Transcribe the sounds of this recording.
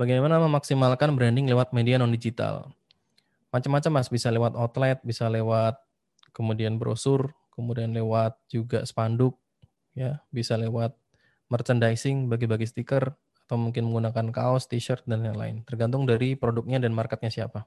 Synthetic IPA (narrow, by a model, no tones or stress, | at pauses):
baɡajmanaməmaksimalkanbɾandɪŋlewat̪̚medianɔndid͡ʒit̪a̰l | mat͡ʃamːat͡ʃamːasbisalewat̪ɔt̪lɛt̪̚bisalewat̪̚ | kəmudianbəɾʔo̰sʊrkəmudianlewat̪̚d͡ʒuɡa̰sə̥pandʊk̚ | jabisalewat̪̚ | mərt͡ʃəndajsɪŋbaɡibaɡist̪ikər | at̪awmuŋkɪnməŋɡunakanka̰ɔst̪iʃərt̪̚danjaŋla̰ɪ̰nt̪ərɡant̪̬ʊŋdaɾipɾodʊk̚ɲadanmarkət̪̚ɲasiapa